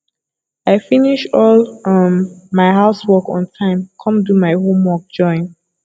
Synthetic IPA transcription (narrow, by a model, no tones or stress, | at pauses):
aɪfiniʃɔlʌmmaɪɦaʊswɔkɔ̰̃ntʰãɪ̃mkʰʌ̃mdumaɪhõmwɔk̚d͡ʒɔ̃ɪ̃n